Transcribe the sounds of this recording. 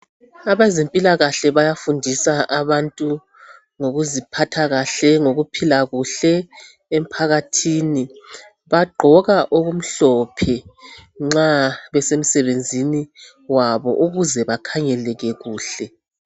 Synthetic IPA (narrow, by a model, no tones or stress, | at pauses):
aβezempʼilaɣaɬɛβajafundʱisaaβantʼu | ŋoɣuzipʰatʰaɣaɬɛŋoɣupʰilaɣuɬɛ | em̩pʰaɣatʰiːni | βaɡ͡ǃʱɔɣaʔoɣum̩ɬɔpʰɛŋ͡ǁaβɛsem̩sɛβend͡zʱini | waβɔ̰ʔuɣuzɛβakʰaŋɛlɛɣɛɣuːɬɛ